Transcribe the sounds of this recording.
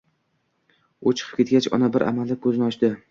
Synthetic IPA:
ʊt͡ʃʰɨ̥qʰɨ̥pkʲe̞t̪̚ɡʲat͡ʃɒ̰nabɪɾʔa̰mald̪akʰɵznɪɒʃd̪ɪ

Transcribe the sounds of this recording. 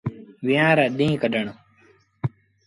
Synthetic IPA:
ʋɪjãːɾaːɗĩːkəɗəɳo

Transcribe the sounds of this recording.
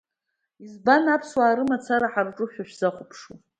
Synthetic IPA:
izbanapʰswaːɾɨmat͡sʰaɾaħarʈ͡ʂʼʊʃʷᶣaʃᶣz̥aχʷʊpʰʂu

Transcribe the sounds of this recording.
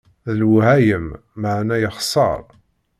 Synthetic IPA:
ðəlwhæjəmː | əʕnæjəχsˤɑ̰ɾˤ

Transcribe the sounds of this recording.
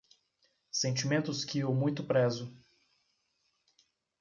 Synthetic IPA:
sẽnt͡ʃimẽnt̪ʊskʰɪewmũj̃t̪ʊpɾɛzʊ

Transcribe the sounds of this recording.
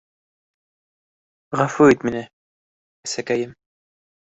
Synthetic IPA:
ʁafuit̪minɘ | æsækæjɘm

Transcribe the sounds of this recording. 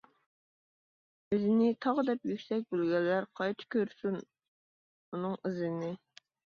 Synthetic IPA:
ɪzɪnɪt̪ʰɑʁəd̪ɛpjykʲsɛk̚ʲbølɡʲɛlːæɾqʰɑjt͡ʃʰɪ̥kʲʰøɾsyn | unɨŋɪzɪnɪ

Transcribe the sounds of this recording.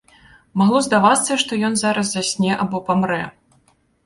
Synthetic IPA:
maɣlˠɔzd̪avat̪sːɐʂt̪ɔjɔnzaɾɐs̬ːasʲnʲɛʔabɔpamɾɛ

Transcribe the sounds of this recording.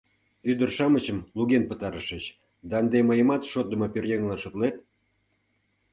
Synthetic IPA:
yd̪ərʃɑmət͡ɕəmluɣenpət̪ɑɾəʃə̆t͡ɕ | d̪ɑːnd̪eməjə̆mɑt̪ʃot̪̚ːə̆mɤpørjeŋlɑʃot̪let̪̚

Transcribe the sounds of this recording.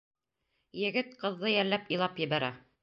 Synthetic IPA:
jɘ̆ɡɘt̪̚qɤ̆ðːɤjæɾlːæpĭlˠɑpjɘ̆βæɾæ

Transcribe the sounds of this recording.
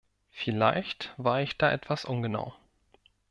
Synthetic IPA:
fɪla̰ɪçtv̥aːɐɪçd̥aːʔɛtv̥asʔʊnɡəna̰ʊ

